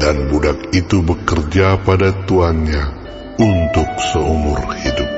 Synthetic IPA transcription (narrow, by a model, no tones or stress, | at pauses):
danbudak̚it̪ubəkərd͡ʒapadat̪uanɲa | unt̪ʊk̚səumʊrhidʊp̚